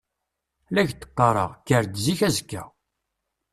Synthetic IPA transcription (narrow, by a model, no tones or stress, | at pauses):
læçt̪ːə̥qːɑɾˤə̰ʁkːəɾd̪ziçæzkːæ̰